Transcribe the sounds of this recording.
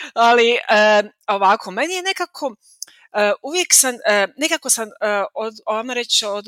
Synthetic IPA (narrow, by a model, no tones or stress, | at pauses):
aliəː | oʋakʰo̞menije̞ne̞kakʰo̞ | əːʔuʋjeksamːnekako̞saməooʋamaɾet͡ɕod̪